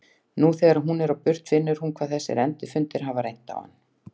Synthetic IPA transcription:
nuθɛːɣaɾaɦunɛɾawpʏr̥t̪fɪnːʏɾ̥hunkʰv̥aðθɛsːɪ̰ɾɛnt̪ɪfʏnt̪ɪɾ̥ɦavaɾejn̥t̪a̰wha̰nː

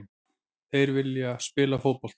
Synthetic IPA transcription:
θejɾvɪljaspɪːlafoːpɔl̥t̪

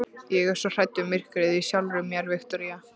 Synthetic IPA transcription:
jɛɣɛɾ̥sɔr̥ajt̪ːʏmɪr̥kɾɪðisjawlɾʏmjɛɾvɪxt̪ɔɾia

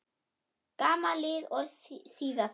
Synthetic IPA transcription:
kʼamalɪɔlsiðas

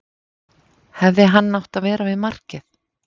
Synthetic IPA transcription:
hɛvðɪɦanːawht̪aðvɛːɾavɪðmar̥cɪθ

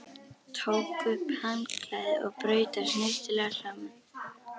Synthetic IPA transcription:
t̪ʰoːwkʏphanklaːðɪɔɣpɾœːɥt̪asnɪst̪ɪlɛɣaɬaːman

